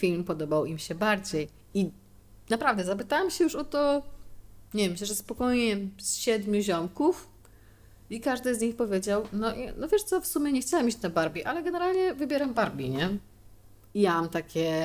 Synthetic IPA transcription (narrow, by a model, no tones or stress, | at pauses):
fʲilmpɔd̪ɔbawimɕɛbaɾd͡ʑej | i | napɾavd̪ɛzapɘt̪awamɕɛjuʂɔt̪ɔ | ɲɛvjɛmɕɛʐɛspɔkɔjɲɛsɕɛd̪mʲjuʑɔmkuf | ikaʐd̪ɘzɲixpɔvʲjed͡ʑawnɔʔnɔvʲjɛʂt̪sɔfsumʲjɛɲɛxt͡ɕawɛmit͡ɕnabaɾbʲiʔalɛɡɛnɛɾalɲɛvɘbʲjɛɾambaɾbʲiɲɛ | ijamamt̪akʲʰɛ